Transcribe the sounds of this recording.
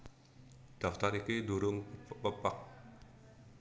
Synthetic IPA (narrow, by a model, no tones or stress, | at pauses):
d̪̥a̤ft̪aɾikiduɾʊŋpəpak̚